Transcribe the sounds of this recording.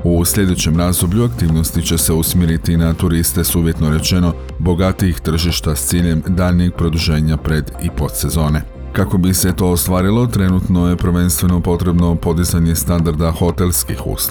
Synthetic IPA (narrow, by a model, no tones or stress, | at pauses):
usʎe̞d̪e̞t͡ɕe̞mɾaːzd̪o̞bʎuakt̪iːʋno̞st̪it͡ɕe̞se̞usmjiɾit̪inat̪uɾist̪e̞suːʋje̞t̪no̞ɾe̞t͡ɕe̞no̞ | bo̞ɡat̪iixt̪r̩ʒiʃt̪ast̪siːʎe̞md̪aːlniiɡ̚pɾo̞d̪uʒe̞ːɲapɾe̞d̪ipo̞t̪se̞zo̞ːne | kako̞bise̞t̪o̞ːst̪ʋaːɾilo̞t̪ɾe̞nut̪no̞je̞pr̩ʋe̞nst̪ʋe̞no̞po̞t̪ɾe̞bno̞po̞d̪izaɲe̞st̪and̪aɾd̪axo̞t̪e̞lskixṵːso